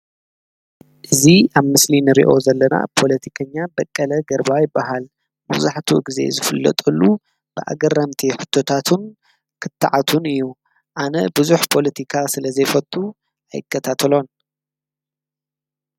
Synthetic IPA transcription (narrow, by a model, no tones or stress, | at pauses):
ʔɨziaβmɨslinɨɾḭʔo̞zɐlːɐna̰pʰo̞lɐt̪ʰikʰɐɲːabɐkʼːɐlɐɡɐɾbajɪbːaɦal | mɐβzaħt̪ʰuɡizḛzɨfɨlːɐ̰t̪ʼɐlːu | b̥ɨʔa̰ɡɐrɐmt̪ʰiħɨ̥t̪ʰːo̞t̪ʰat̪ʰun | kʰɨt̪ʰːa̰ʕat̪ʰunɨjːu | ʔanɐbɨzuħpʰo̞lɐt̪ʰikʰasɨlɐzɐjfɐt̪ʼu | ʔajɨkʰːɐt̪ʰat̪ʰlo̞n